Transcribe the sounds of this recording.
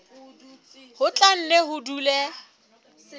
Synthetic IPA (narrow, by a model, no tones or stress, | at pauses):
hʊt͡ɬʼan̩neɦʊdulɛ